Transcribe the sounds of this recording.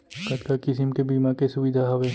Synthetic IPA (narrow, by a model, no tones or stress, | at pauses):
kɐt̪kakɪsimkebiːmakesʊʋɪd̪ʱaɦɐʋe